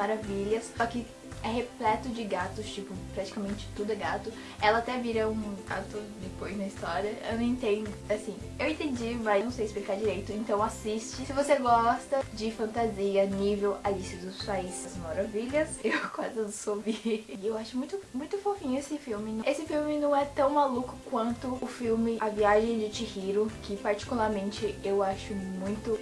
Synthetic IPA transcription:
maɾaviʎɐssɔkɪ | ɛɦeplɛt̪ʊd͡ʒɪɡat̪ʊst͡ʃipʊpɾat͡ʃi̥kamẽnt͡ʃɪ̥t̪ud̪ʊɛɡat̪ʊ | ɛlɐat̪ɛviɾɐũɡa̰t̪ʊd̪epojznɐist̪ɔɾiɐḛñẽnt̪ẽnd̪ʊasĩewẽnt̪ẽnd͡ʒimɐñw̃sejɪsplikaɾd͡ʒiɾejt̪ʊẽnt̪ɐ̃w̃asist͡ʃɪsɪvoseɡɔst̪ɐd͡ʒɪfɐ̃nt̪aziɐnivewalisʊd̪ʊssajsɐzmaɾaviʎɐsewkwazɪd̪ʊsobiɪewaʃʊmũj̃t̪ʊmũj̃t̪ʊfofĩɲʊesɪfiwmɪnɐ̃esɪfiwmɪnɐ̃w̃ɛt̪ɐ̃w̃malukʊkwɐ̃nt̪ʊʊfiwmɪʔɐviaʒẽj̃d͡ʒɪt͡ʃihiɾʊkɪpaɾt͡ʃi̥kulaɾmẽnt͡ʃɪewaʃʊmũj̃t̪ʊ

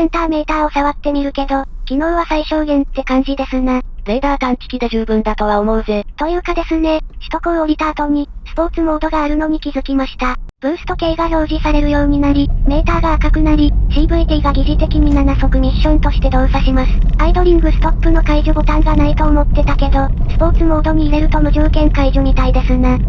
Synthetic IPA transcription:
sẽnt̪aːme̞ːt̪aːo̞saβat̪ːe̞mʲiɾɯ̟ke̞d̪okʲino̞ːβasaiɕo̞ːɡẽ̞nt̪ːe̞kãɲ̟d͡ʑid̪e̞sɨnab̪eːd̪aːk̪ãnt̪i̥kʲid̪eʑɨːbɯ̟̃nd̪at̪o̞βaomo̞ɯ̟ze̞t̪o̞jɯ̟ːkad̪e̞sɨne̞ɕi̥t̪o̞kɯoɾʲit̪aːt̪o̞ɲ̟isɨ̥po̞ːt͡sɨmo̞ːd̪o̞ɡaːɾɯ̟noɲ̟ikʲizɨkʲimaɕi̥t̪ab̥ɯ̟̃ɰ̃sɨ̥t̪o̞ke̞ːɡaɾo̞ːʑisaɾe̞ɾɯ̟jo̞ːɲ̟inaɾʲime̞ːt̪aːɡaːkakɯ̟naɾʲiɕiːbɯ̟id̪iːɡaɡʲiʑit̪e̞kʲiɲ̟inanaso̞kɯ̟ɲ̟iɕːõnt̪o̞ɕi̥t̪e̞d̪o̞ːsaɕimasɨ̥aid̪o̞ɾʲĩŋɡɯ̟sɨ̥t̪o̞pːɯ̟no̞kaiʑobo̞t̪ãŋɡanait̪o̞ːmo̞t̪ːe̞t̪ake̞d̪o̞ | sɨ̥po̞ːt͡sɨmo̞ːd̪o̞ɲ̟iːɾe̞ɾɯ̟t̪o̞moʑoːkẽ̞ŋkaiʑoɲ̟it̪aid̪e̞sɨna

